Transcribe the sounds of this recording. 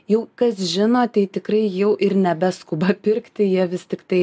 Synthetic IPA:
jɛʊkɐsʒʲɪnoːt̪ʲɛɪt̪ʲɪkrɐɪjɛʊʔɪɾnʲɛbʲɛskʊbɐpʲɪrkt̪ʲɪjiɛʋʲɪst̪ʲɪkt̪ɐɪ

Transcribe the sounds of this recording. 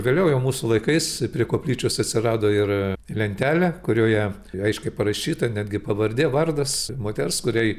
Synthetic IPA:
ɡʲɐlʲɛʊjɛʊmuːsʊlˠɐɪkɐɪspʲɾʲiɛkoːpʲlʲiːt͡ʃʲʊsɐt̪ʲsʲɪɾɑːd̪oːɪrlʲɛnʲt̪ʲæːlʲɛkʊɾʲoːjɛ | ɐɪʃʲkʲɛɪpɐɾɐʃʲiːt̪ɐnʲæːd̪ʲɡʲɪpɐʋɐrʲd̪ʲeːʋɐrd̪ɐsmoːt̪ʲɛrskʊɾʲɛj

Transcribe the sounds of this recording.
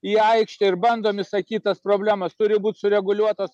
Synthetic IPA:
iːɐɪkʃʲt̪ʲɪɪɾbɐnd̪oːmʲɪsɐkʲiːt̪ɐspɾoːbʲlʲæːmɐst̪ʊɾʲɪbuːt̪ʲsʊɾʲɛɡʊlʲuɔt̪ɐs

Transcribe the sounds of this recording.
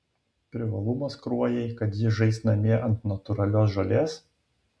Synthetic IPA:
pʲɾʲɪʋɐlˠumɐskɾuɔjɛɪkɐt̪jɪʒɛɪsʲnɐmʲeɛʔɐnt̪nɐt̪ʊɾɐlʲoːs̬ʒɐlʲeːs

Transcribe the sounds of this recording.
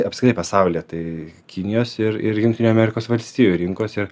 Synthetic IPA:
ɐpskʲɾɪt̪ɐɪpɐsɐʊlʲiɛt̪ɐɪ | kʲɪnʲɪjoːsɪɾɪɾjʊŋktʲɪnʲoːmʲɛɾʲɪkoːsʋɐlʲsʲt̪ʲiːjuɾʲɪŋkoːsɪɾ

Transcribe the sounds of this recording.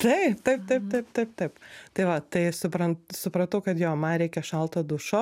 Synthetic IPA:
t̪ɐɪpt̪ɐɪp̚t̪ɐɪp̚t̪ɐɪpt̪ɐɪp̚t̪ɐɪpt̪ɐɪʋɐt̪ɐɪsʊpɾɐntsʊpɾɐt̪ɐʊkɐt̪joːmɐnɾʲɛɪkʲɛʃɐlˠt̪oːd̪ʊʃoː

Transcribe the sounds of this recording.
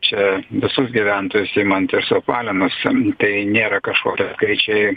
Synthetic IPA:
t͡ʃʲɛʋʲɪsʊsɡʲiʋʲɛnt̪oːjʊsɪːmɐnt̪ɪɾsʊpɑːlʲɪnʊst̪ɐɪnʲeːɾɐkɐʃkoːkʲɛskɐɪt͡ʃʲɛɪ

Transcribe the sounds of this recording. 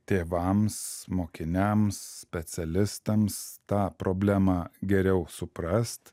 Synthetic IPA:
t̪ʲeːʋɐmsmoːkʲɪnʲɛmssʲpʲɛt̪sʲɛlʲɪst̪ɐmst̪ɑːpɾoːbʲlʲæmɑɡʲɛɾʲɛʊsʊpɾɐst̪

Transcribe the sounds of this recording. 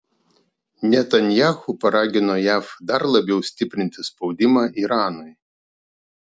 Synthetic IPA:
nʲɛt̪ɐnʲjaːxupɐɾɑːɡʲɪnoːjæːfd̪ɐɾlˠɐbʲɛʊsʲt̪ʲɪpʲɾʲɪnʲt̪ʲɪspɒʊd̪ʲɪmɑːʔiːɾɑːnʊɪ

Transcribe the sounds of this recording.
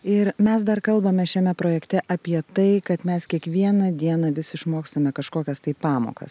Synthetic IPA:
ɪɾmʲɛsd̪ɐrkɐlˠbɐmʲɛʃʲɛmʲɛpɾoːjɛkt̪ʲɛʔɐpʲiɛt̪ɐɪkɐt̪mʲɛskʲiɛkʋʲiɛnɐd̪ʲiɛnɐʋʲɪsʲɪʃmoːkst̪ɐmʲɛkɐʃkoːkʲɛst̪ɐɪpɑːmo̰ːkɐ̰s

